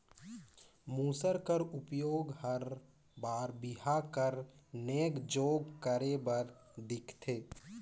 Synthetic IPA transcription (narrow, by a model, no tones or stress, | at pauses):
muːsəɾkəɾʊpjoːɡhəɾ | baːɾbɪɦakəɾneːkd͡ʒoːɡkəɾebəɾd̪ɪkʰt̪ʰeː